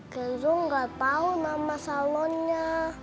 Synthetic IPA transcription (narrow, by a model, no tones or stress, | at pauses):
ɡ̥anzuŋɡap̪aumamasalɔnɲa